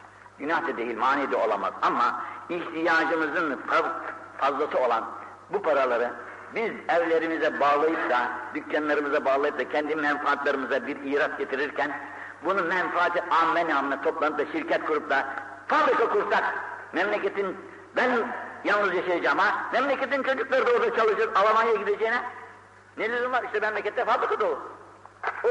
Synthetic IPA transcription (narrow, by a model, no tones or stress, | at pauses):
ɟynjaːt̪ʰad̪ejilʲmaːnijd̪ɛo̞lˠama̰zamːaiçt̪ʰijaːd͡ʒɯmɯzɯnffazlˠasɯo̞lˠan | bupʰaɾalˠaɾɯ | bizɛvlʲe̞ɾimizɛbaːlˠajɯp̚d̪ad̪ycːanlˠaɾɯmɯzabaːɣlˠajɯpd̪acʰɛnd̪imɛnfaat̪lˠaɾɯmɯzabiɾiːɾat̪ɟet̪ʰiɾiɾcʰɛn | bunumɛnfaaːt̪ʰɯʔamːɛnaːmɯnat̪ʰo̞plˠanɯp̚d̪aʃiɾcʰɛt̪̚kʰuɾupd̪a | fabɾikakuɾsak̚mɛmlʲecʲe̞t̪ʰin | bænjalˠnɯzjaʃajad͡ʒaːmamɛmlʲecet̪int͡ʃʰo̞d͡ʒuklˠaɾɯd̪oːɾj̪at͡ʃʰalˠɯʃɯɾalˠamanjaɟid̪ed͡ʒejinɛ | nelʲyzunlˠaɾiʃt̪ɛmɛmlʲecʲɛt̪ːɛfabɾikad̪olˠu